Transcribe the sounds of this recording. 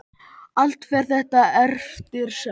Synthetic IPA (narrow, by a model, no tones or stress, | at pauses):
al̥t̪fɛɾ̥θɛht̪aɛɾft̪ɪɾ̥sɛ